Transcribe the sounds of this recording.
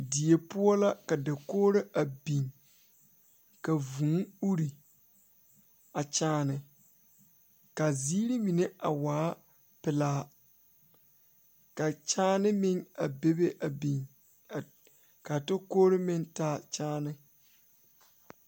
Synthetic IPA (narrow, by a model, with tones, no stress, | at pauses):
di˨e˨pʊ˦ɔ˦la˦ka˨da˨koː˦ɾe˦ʔa˨bi˨ŋ | ka˨vũ˨ŋu˦ɾi˨ | a˨t͡ʃaː˦nɪ˨ | ka˨ziː˦ɾi˦mi˨ne˦ʔa˨waː˨˦ | pɪ˨laː˦ | ka˨t͡ʃaː˦nɪ˦mɪ˦ŋa˨be˦be˦ʔa˨bi˨ŋ˨ | ka˨tɪ˦koː˦ɾe˦mɪ˦ntaː˦t͡ʃaː˦nɪ˦